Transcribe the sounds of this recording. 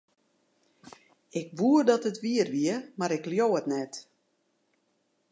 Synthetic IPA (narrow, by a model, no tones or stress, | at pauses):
ɪk̚ʋuərdɔtətʋiərʋiəmaɾɪkljoːətnɛt